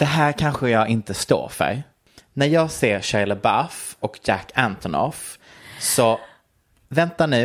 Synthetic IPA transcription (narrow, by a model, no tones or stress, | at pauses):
d̪̥ɛɦæːɾkʰanɧəjɑːɡɪnt̪əst̪o̰ːɾfœ̰ɾ | næɾjɑːɡseːɾɕaɪləbafɔkjækːænt̪ʰɔnɔ̰f | sɔ | vɛnt̪aɳʉ̟ː